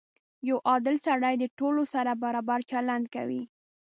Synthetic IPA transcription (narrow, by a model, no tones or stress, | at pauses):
jawʔɑd̪ɪlsaɽajd̪əʈolosaɾabaɾɑbaɾt͡ʃaland̪ka̰wi